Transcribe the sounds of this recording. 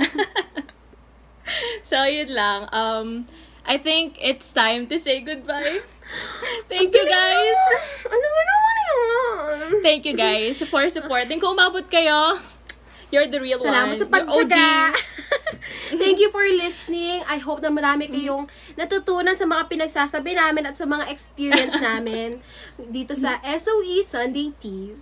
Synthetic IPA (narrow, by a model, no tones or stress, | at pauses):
sojɪd̪lɐŋʔɐm | ʔajθɪŋkɪt̪st̪ãjmt̪ʊsejɡʊd̪̚baj | t̪ɛ̃ŋkjuɡajsʔɐnoŋɐnɐnɐjo | t̪ɛ̃ŋkjuɡajsfɔɹsʊpoɹt̪ɪ̃ŋkʊŋʔʊmaːbot̪̚kɐjo | jɔɹd̪ɐɹilwsɐlaːmɐt̪sɐpɐɡ̚ɐa | t̪ɛŋkjʊfoɹlɪsnɪŋʔɐjɦoːp̚nɐmɐɾaːmɪkɐjoŋ | nɐt̪ut̪uːnɐnsɐmɐŋapɪnɐɡ̚saːsɐbɪnaːmɪnɐt̪sɐmɐŋaʔɛkspiːɹiɐnsnaːmɪn | d̪iːt̪osɐʔɛsowʔisɐnd̪ejt̪i